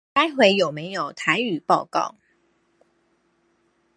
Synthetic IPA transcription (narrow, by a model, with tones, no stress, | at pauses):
ka˥ɪxwe˧˥ɪjo˨˩ʊme˨˧˦ɪjo˨˩ʊt̪ʰa˧˦ɪy˨˩pɑ˥˧ʊkɑ̰˥˩˨ʊ